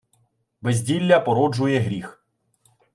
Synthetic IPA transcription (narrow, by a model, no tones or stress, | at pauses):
bezʲdʲilʲːɐpɔɾɔd͡ʒʊjɛɦɾʲix